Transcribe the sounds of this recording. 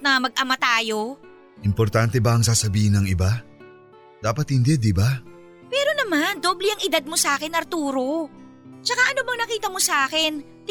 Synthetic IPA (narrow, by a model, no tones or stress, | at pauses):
nɐmɐɡ̚ʔɐmat̪aːjo̞ | ʔɪmpoɾt̪ant̪ɛbɐɐŋsaːsɐbiːhɪnːɐŋɪba | d̪̥aːpɐt̪̚hɪnd̪ɛd̪ɪba | pɛːɾo̞nɐmand̪oːblɛɐŋɪd̪ad̪̚mosɐʔaːkɛnːɐɾt̪uːɾo̞ | t͡ʃɐkaʔɐnobɐŋnɐkiːt̪ɐmosɐʔaːkɛn